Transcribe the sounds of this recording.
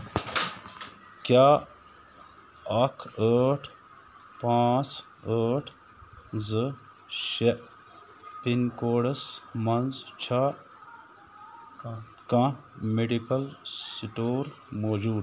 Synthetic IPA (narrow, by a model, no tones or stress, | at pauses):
kjaː | ɐkʰəʈʰ | pãːt͡s | əːʈʰ | zɨ | ʃe | pinkoːɖɐsmɐnzt͡ʃʰa | kãmeɖikɐlsiʈoːɾ | moːd͡ʒuːd̪